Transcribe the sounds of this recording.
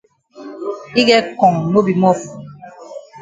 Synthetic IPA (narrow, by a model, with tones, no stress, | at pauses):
i˦ɡɛ˦kɔ˨ŋno˦bi˨mɔ˦f